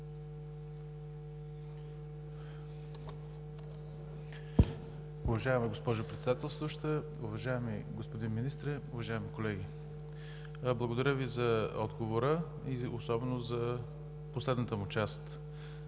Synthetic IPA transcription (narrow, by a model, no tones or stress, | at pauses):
ʊvɐʒaɛməɡospɔʒʊpɾɛt̪sɛd̪at̪ɛlˠst̪voʃt̪ə | ʊvɐʒaɛmiɡospod̪inminist̪ɾɛʊvɐʒaɛmikolɛɡʲi | blˠəɡod̪ɐɾʲəvizɐɔd̪ɡovoɾə | iosɔbɛnozɐ | poslɛd̪nət̪əmʊt͡ʃast̪